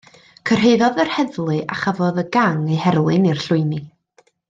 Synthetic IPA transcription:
kʰər̥ɦeɨðɔðərhɛðlˠɨʔaχavɔðəɡaŋehɛɾlˠɨnirɬʊɨni

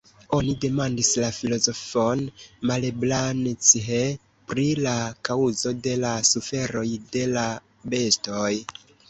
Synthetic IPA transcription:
o̞nide̞mandislafilo̞zofo̞nmaleblant͡siɦe | pɾilakauzo̞de̞lasufe̞ɾo̞jde̞la | be̞sto̞j

